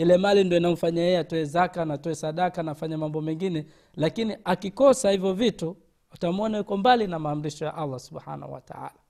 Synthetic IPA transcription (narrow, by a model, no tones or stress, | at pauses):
ilɛmalindiɔinam̩faɲajɛɛatɔɛzakanatɔɛsaɗakanafaɲamambɔmɛŋɡinɛ | lakiniʔakikɔsahivjɔvitu | atamɔnaukɔmbalinamaːm̩ɾiʃɔja̰ʔalːasuɓha̰na̰hṵwa̰ta̰a̰la